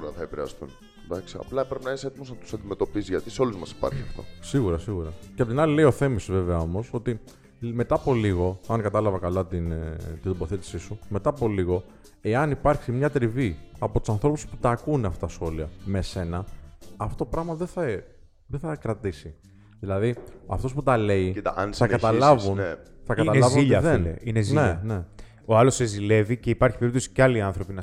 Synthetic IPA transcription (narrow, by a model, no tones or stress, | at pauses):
uɾɐθɐepiɾeɐ̰st̪un | d̪ɐksiɐ̰plɐpɾepinɐiset̪imo̞znɐt̪u̥sɐnd̪ime̞t̪o̞pisizʝɐt̪iseo̞luzmɐsi̥pɐ̰ɾçiɐ̰ft̪o̞̰siɣuɾɐsiɣuɾɐceɐpot̪inɐlileio̞θe̞misozve̞veɐo̞mo̞so̞t̪i | me̞t̪ɐːpo̞liɣo̞ɐnkɐt̪ɐlɐvɐkɐlɐt̪int̪id̪obo̞θet̪i̥sisume̞t̪ɐːpo̞liɣo̞ | e̞ɐnipɐɾçsimɲɐt̪ɾiviɐpo̞t̪u̥sɐnθɾo̞pusput̪ɐːkuneɐft̪ɐt̪ɐsxo̞liɐmese̞nɐːft̪ot̪opɾɐɣmɐðeθɐ | ðeθɐkɾɐt̪isi | ðilɐðiɐft̪o̞s̬put̪ɐle̞inθɐkɐt̪ɐlɐvun | θɐkɐt̪ɐlɐzvuiʎɐðenleinezninene̞ | o̞ɐlo̞sezile̞vice̞ipɐɾçipeɾit̪o̞si̥cɐliɐnθɾo̞pinɐ